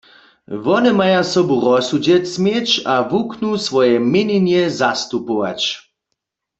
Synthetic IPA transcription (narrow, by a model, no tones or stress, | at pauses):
ʋɔnɛmajasɔbuʁɔsud͡ʑɛtsmjɛt͡ʃavuknusʋɔjɛmɪninjɛzast̪upoʋa̰t͡ʃ